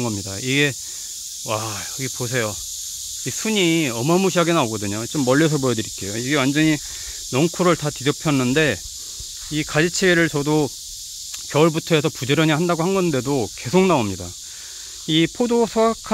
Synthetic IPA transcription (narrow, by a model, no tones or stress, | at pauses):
ɡʌmɲidaiɡe̞ | wajʌɡiposʰe̞jo | isʰuɲiʌmʌɦamuɕʰiaɡe̞naoɡʌdɯɲot͡ɕomːʌʎːes̬ʰʌbojʌdɯɾik͈e̞joiɡe̞wand͡ʑʌɲi | nʌŋkʰuɾɯɭtatid͡ʑʌpʰjʌnːɯnde̞ | ikad͡ʑit͡ɕʰeɡeɾɯɭt͡ɕʌdo | kjʌɭbutʰʌe̞sʰʌpud͡ʑeɾʌɲihandaɡohanɡʌnde̞doke̞sʰokŋ̚naomɲida̰ | ipʰodosʰʌakʰa